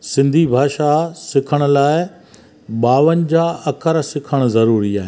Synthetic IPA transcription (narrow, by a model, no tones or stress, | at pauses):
sɪ̃nd̪ʱibʱaːʃasɪkʰəɽ̃ʊ̆laːɪ | ɓaːʋənɪ̆d͡ʑaːɐkʰəɾsɪkʰəɽ̃̆zɐɾuːɾiaːɦɪ